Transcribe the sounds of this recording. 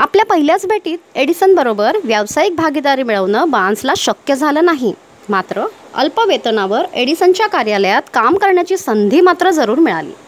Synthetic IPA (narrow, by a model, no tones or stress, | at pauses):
apljapəɦiljat͡sbʱeʈiːt̪eɽisənbəɾobəɾʋjaʋsajik̚bʱaɡid̪aɾiːmiɭəʋnəbãnslaɕəkjəd͡zʱaləːnaɦi | mat̪ɾəə̰lpəʋet̪naʋəɾeɽisənt͡ɕjakaɾjaləjat̪kamkəɾɳjat͡ɕiːsənd̪ʱiːmat̪ɾəd͡zəɾuːɾmiɭa̰lḭː